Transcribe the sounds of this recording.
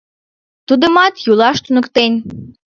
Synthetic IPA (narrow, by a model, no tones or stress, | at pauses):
t̪ud̪əmɑt̪julɑʃt̪unə̆kt̪enʲ